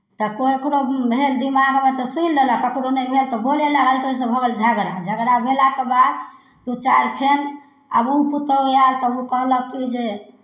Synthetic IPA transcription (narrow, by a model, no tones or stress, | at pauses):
t̪ɔkoekɾobʱeld̪imaɡbət̪ɔsujlːeləkəkɾonəjbʱelt̪ɔbolelaɡəlt̪oɦis̬ə̃bʱəɡəld͡ʒʱəɡɾad͡ʒʱəɡɾabʱelakebad̪ | t̪ut͡ʃaɾpʰen | ə̰boput̪ɾojalt̪ɔukəɦləkid͡ʒe